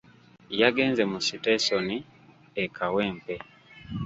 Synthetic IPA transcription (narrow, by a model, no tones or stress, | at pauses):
jaɡe̞ːnzemusitesoni | ekʰaweːmpe